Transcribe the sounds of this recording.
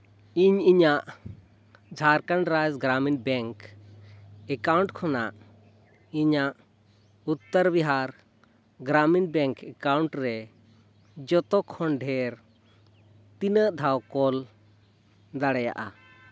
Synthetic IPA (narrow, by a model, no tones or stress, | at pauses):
iɲiɲaʔ | d͡ʒʱaɾkanɾajzɡɾaminbɛŋk | ɛkawɳʈkʰɔna̰ʔ | iɲaʔ | ut̪ːəɾbiɦaɾ | ɡɾaminbɛŋkɛkawɳʈɾɛ | d͡ʒɔt̪ɔkʰɔɳɖʱɛɾ | t̪inəʔd̪ʱawkɔl | d̪aɽɛja̰ʔa